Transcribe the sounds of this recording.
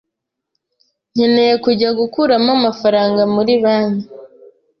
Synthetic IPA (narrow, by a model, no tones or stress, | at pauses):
ɲ̥enejekuɟaɡukuɾamamafaɾaːŋɡamuɾiβaːnu